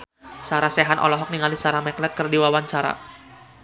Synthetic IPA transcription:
saɾasɛɦanʔɔ̰lɔɦɔk̚niŋalisaɾamɛklɛt̪̚kɨrdiwawaɲt͡ʃaɾa̰

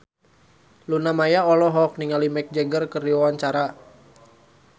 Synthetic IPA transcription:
lunamajaɔlɔɦɔk̚niŋalimɛk̚d͡ʒɛɡərkərioant͡ʃaɾa

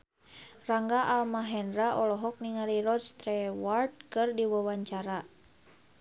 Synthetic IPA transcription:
raŋɡaʔalmaɦɛnɾaʔɔlɔɦɔk̚niŋaɾiɾɔd̪st̪ɾɛward̚kɨrdiwawaɲt͡ʃaɾa

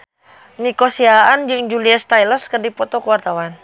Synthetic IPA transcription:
nikɔsiaand͡ʒɨŋd͡ʒuliast̪ajlərskərdipɔt̪ɔkəwart̪awan

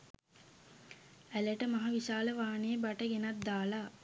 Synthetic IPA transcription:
æləʈəmaɦaʋiʃaːləʋaːnejebaʈəɡenat̪̚d̪aːla

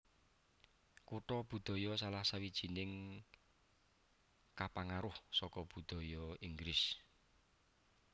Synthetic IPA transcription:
kuʈɔb̥ṳd̪̥ɔ̤jɔsalahsawid̥ʒ̥i̤nɪŋ | kapaŋaɾʊhsɔkɔb̥ud̪̥ɔ̤jɔiŋɡɾɪs

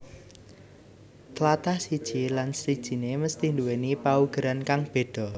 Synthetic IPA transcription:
t̪əlat̪ahsid̥ʒ̥ilansid̥ʒ̥i̤neməst̪ɪhnd̪uwenipauɡ̥əɾankaŋb̥e̤ɖ̥ɔ̤

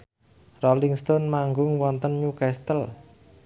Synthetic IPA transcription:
rɔliŋst̪onmaŋɡʊŋwɔnt̪ənɲukɛst̪əl

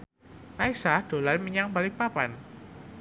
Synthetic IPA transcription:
raisahd̥o̤lajməɲaŋbalɪk̚papan

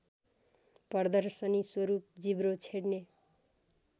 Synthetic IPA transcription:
pʌrd̪ʌrsʌniswʌɾup̚d͡zibɾot͡sʰeɽne

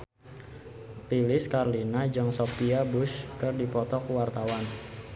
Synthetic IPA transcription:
pilɪskarlinad͡ʒɔŋsopiabʊskɨrdipɔt̪ɔkuwart̪awan

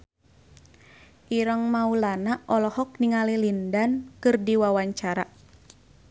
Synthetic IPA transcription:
ʔiɾəŋmaulanaʔɔlɔhɔk̚niŋalilindankɨrdiwawaɲt͡ʃaɾa

